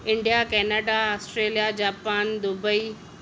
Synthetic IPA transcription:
ɪ̃ɳɖijakɛːnaɖaɔːsʈɾeːlijad͡ʑaːpaːnd̪ʊbəi

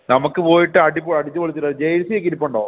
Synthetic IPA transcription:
nɐmukːɨpo̞ːjiʈːɨɐɽipːoɭɐɽit͡ɕːɨʋoɭit͡ɕːiʈːɐd͡ʑejsiekːiɾipːoɳɖoː

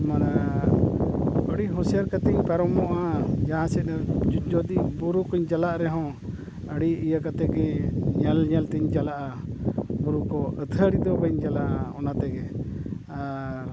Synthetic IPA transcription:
mana | bəɽiɦɔ̃sijaɾkat̪ɛɲpɛɾɔmɔʔad͡ʒaɦãsɛt̪̚nad͡ʒɔd̪ibuɾukɔɲd͡ʒalaʔɾɛɦɔ̃ | əɽiijəkat̪ɛɡɛɲɛlɲɛlt̪iɲd͡ʒalaʔa | buɾukɔət̪ʰəɽid̪ɔbəɲd͡ʒalaʔaɔnat̪ɛɡɛ | aɾ

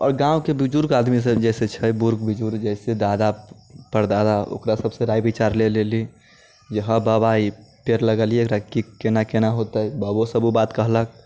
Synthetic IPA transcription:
ɔːɾɡãʊkebid͡ʒuɾkaːd̪mis̬ed͡ʒɛset͡ʃʰəbuɾɡbid͡ʒuɾd͡ʒɛɪsed̪ad̪apəɾd̪ad̪ao̰kɾasəbseɾajbit͡ʃaɾleleli | d͡ʒəɦə̃babaipeɾləɡəliekɾakikenakenaɦot̪əɛbəbosəbubat̪kəɦlək̚

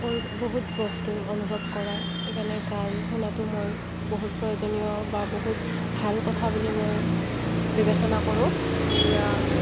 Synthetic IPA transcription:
mo | boɦutbɔstuonubʱɔb̚kɔɹa | ekanɛtaɹɦunatʊmoj | boɦut̚pɹɔjozɔnijɔ | baboɦut | bʱalkɔtʰabulimoj | bibesɔnakoɹʊ̃etija

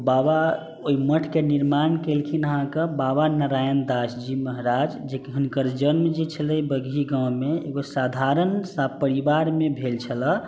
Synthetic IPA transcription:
baba | oiməʈʰkeniɾmankelkʰinəɦãkəbabanəɾajənd̪asd͡ʒiməɦɾad͡ʒd͡ʒekeɦunkəɾd͡ʒənmd͡ʒet͡ʃʰələibəɡʱiɡãw̃meḛɡosad̪ʱaɾənsabpəɾibaɾmebʱelt͡ʃʰələ

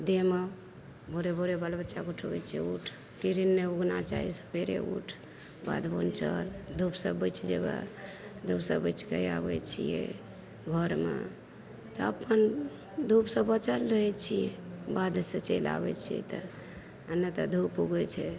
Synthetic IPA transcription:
d̪emə | bʱoɾebʱoɾebalbətːʃaɡuʈʰəbɛt͡ʃʰɛuʈʰ | kiɾinːeuɡnat͡ʃa̰ɦisə̥peɾḛuʈʰ | ba̰d̪bont͡ʃəld̪ʱupsəbət͡ʃʰɛd͡ʒeba̰d̪ʱupsəbət͡ʃkəja̰bɛt͡ʃʰijɛ̰ | ɡʱəɾmḛ | t̪ɔəpən | d̪ʱupsəbət͡ʃəlɾəɦɛt͡ʃʰijɛbad̪set͡ʃela̰bɛt͡ʃʰijɛ̰t̪ə | ənːət̪əd̪ʱupːuɡɛt͡ʃʰɛ

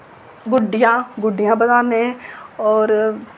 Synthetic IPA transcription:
ɡʊɖɪjãːɡʊɖɪjãːbəd̪aːnẽːɔːɾ

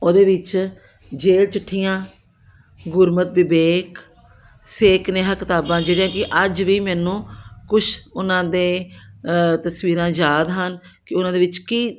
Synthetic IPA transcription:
oːd̪eːʋɪt͡ʃ | d͡ʒeːlt͡ʃʊʈʰːijãː | ɡʊɾmət̪̚bɪbeːk | seːkneːɦãːkɪt̪aːbãːd͡ʒeːɽijãːkɪʔəd͡ʒʋiːmɛːnũːkʊʃʰʊnãːd̪eː | t̪əsʋiːɾãːd͡ʒaːd̪ɦən | kɪʊnãːd̪eːʋɪt͡ʃkiː

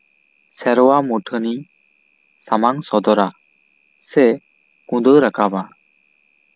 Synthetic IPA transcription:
sɛɾɔwamuʈʰɯni | samaŋsɔd̪ɔɾa | sɛ | kũd̪ɯwɾakʰaba

